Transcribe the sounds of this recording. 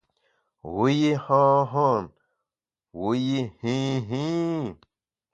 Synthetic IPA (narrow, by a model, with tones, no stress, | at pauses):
wu˦ji˦hɔ̃˦ɦɔ̃˦˨n | wu˦ji˦hĩ˦ɦĩ˦